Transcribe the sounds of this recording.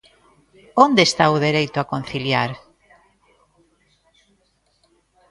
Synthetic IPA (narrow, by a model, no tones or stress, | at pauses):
ond̪eːst̪auðeɾejt̪ʊakon̟θiljaɾ